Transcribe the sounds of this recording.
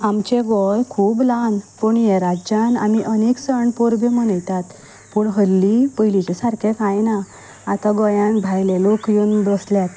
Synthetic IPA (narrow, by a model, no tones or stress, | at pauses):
amt͡ɕẽɡɔjkʰuːblanpuɳjeɾad͡ʑana̰miʔəneksəɳpɔɾbemənəjt̪at̪ | puɳɦəlːipəjlit͡ɕɛsaɾkʰekãjna | at̪aɡɔjãnbʱajlẽlokjuːnb̪əsljat̪